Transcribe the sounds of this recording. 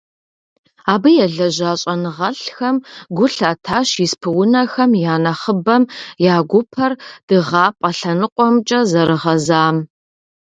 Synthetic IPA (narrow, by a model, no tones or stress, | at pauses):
aːbɨjɛɮɐʑaːɕʼɐnɨʁɐɬxɐmɡʷʊɬaːtʰaːɕjispʰɨwʊnɐxɐmjaːnɐχəbɐmjaːɡʷʊpʰɐrd̥ɨʁɑːpʼɐɬɐnɨqʷʼɔmt͡ʃʼɐzɐɾɨʁɐzaːm